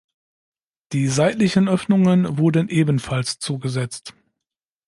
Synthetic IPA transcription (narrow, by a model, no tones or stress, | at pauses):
d̥iːzaɪtlɪçənʔœfnʊŋənvʊɐdənʔeːbənfalst͡suːɡəzɛt͡st